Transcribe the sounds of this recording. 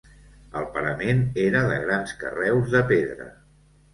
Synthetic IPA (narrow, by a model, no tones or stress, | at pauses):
əlˠpəɾəmeneɾəðə̰ɣɾanskə̰rɛwzðəpeðɾə̰